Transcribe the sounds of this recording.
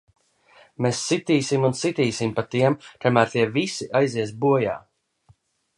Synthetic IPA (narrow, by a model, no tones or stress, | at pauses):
mesːit̪iːsimunsit̪iːsimpat̪iɛmt̪amæːɾt̪iɛvisiʔajziɛs̬buɔja̰ː